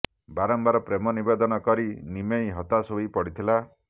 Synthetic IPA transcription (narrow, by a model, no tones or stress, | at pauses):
baɾɔmbaɾɔpɾemɔnibed̪ɔnɔkɔɾinimejɦɔt̪asoipɔɽit̪ʰila